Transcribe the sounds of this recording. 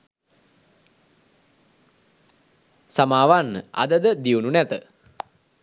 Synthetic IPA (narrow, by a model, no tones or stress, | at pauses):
samaːʋanːəa̰d̪əd̪əd̪iununæt̪ə